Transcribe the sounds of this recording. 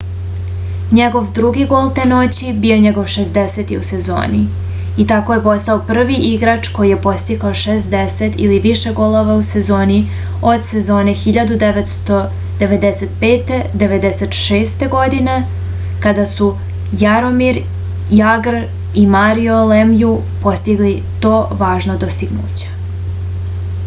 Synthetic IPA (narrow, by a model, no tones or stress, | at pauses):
ɲeɡo̞ʋd̪ɾuɡiɡo̞ːlˠt̪e̞no̞t͡ɕibio̞ɲeɡo̞ʋʃe̞sd̪ese̞t̪iuse̞zo̰ːni | it̪ako̞je̞po̞st̪aopr̩ʋiʔiɡɾat͡ʂko̞jijepo̞st̪ikaoʃesd̪ese̞t̪ḭliʋiʃe̞ɡo̞lˠo̞ʋause̞zo̞ːni | o̞d̪se̞zo̞ːne̞xiʎad̪ud̪eʋet̪st̪o | d̪eʋe̞d̪ese̞t̪̚pe̞ːt̪e̞d̪e̞ʋe̞d̪ese̞t̪ʃeːst̪e̞ɡo̞d̪ine̞ | kad̪asu | jaɾo̞miɾ | jaɡr | imaɾiolemju | po̞st̪iɡli | t̪o̞ːʋaːʒnod̪ost̪iɡnṵːt͡ɕe̥